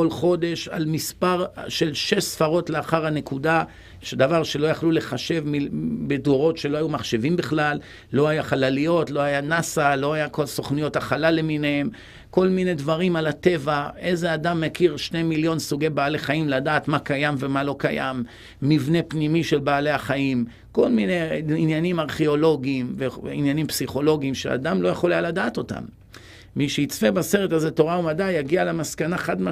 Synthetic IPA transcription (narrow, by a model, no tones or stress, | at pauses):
kolχo̞d̪e̞ʃa̰lmispaʁʃe̞lʃe̞ʃsfaʁo̞tleaχaʁane̞kud̪a | ʃed̪avaʁʃe̞lo̞jaχlule̞χaʃe̞vmibedoʁo̞tʃe̞loajumaχʃe̞vimbeχlalː | o̞ajaχalalijo̞tlo̞ajanasalo̞ajako̞lsoχnijo̞t̪aχalale̞minehem | ko̞lmine̞dvaʁimalat̪e̞vae̞zead̪amːekiʁʃnemiljo̞nsuɡejbaːleχaimladaːt̪makajamve̞malo̞kaja̰mː | ivne̞pnimiʃe̞lbaːle̞aχaim | ko̞lmineinjanimaʁχeo̞lo̞ɡiːmveinjanimpsiχo̞lo̞ɡiːmʃḛa̰d̪amlojeχolealadaːt̪o̞ta̰mː | iʃeit͡svebase̞ʁetaze̞t̪o̞ʁaumadajaɡialemaskanaχad̪ma